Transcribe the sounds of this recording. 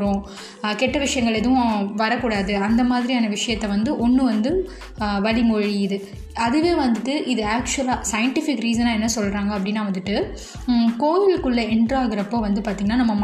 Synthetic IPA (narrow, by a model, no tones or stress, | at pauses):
ɾõː | kɛʈːɐʋɪʂɐjɐŋɡɐɭɛðɐʋʊ̃ʋɐɾɐkːuːɽaːðɯɐnd̪ɐmaːðɪɾijaːnɐʋɪʂɐjɐt̪ːɛʋɐnd̪ɯʔɔnːɯʋɐnd̪ɯ | ʋɐɭɪmɔɻiɪðɯ | ɐðɯʋeːʋɐnd̪ɯʈːɯʔɪðɯaːkt͡ʃɐlaːsɐjɐɳʈɪfɪkɾiːsɐnaːɛnːɐsɔlːɾaːŋɡɐpːɐɽɪnːaːʋɐnd̪ɯʈːɯ | koːjɪlkːɯɭːɐɪɳɖraːɣɪɾɐpːoːʋɐnd̪ɯpaːɾt̪iŋɡɐnːaːnɐmːɐm